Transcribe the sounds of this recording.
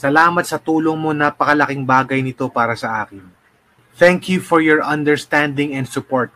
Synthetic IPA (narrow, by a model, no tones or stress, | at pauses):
sɐlaːmɐt̪̚sɐt̪uːlo̞ŋmo̞naːpɐkɐlɐkɪŋbaːɡɐjnɪt̪o̞paːɾɐsɐʔaːkɪn | t̪ɛŋkʰjufɔɹjɔɹʔɐ̃nd̪ɛɹst̪and̪ɪŋɛnd̪sʊpoɹt̪̚